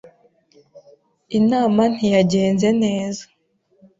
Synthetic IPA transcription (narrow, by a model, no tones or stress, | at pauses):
inaːman̥hijaɟe̞ːnze̞ne̞ːza